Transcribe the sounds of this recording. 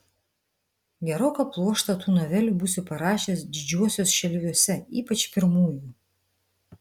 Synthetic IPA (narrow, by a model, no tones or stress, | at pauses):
ɡʲɛɾoːkɐplˠuɔʃt̪ɐt̪uːnoʋʲɛlʲuˑbusʲɪpɐɾɑːʃʲesd̪ʲɪd͡ʒʲuɔsʲoːsʃʲɛlʲʋʲuɔsʲɛiːpɐt͡ʃpʲɪɾmuːjuː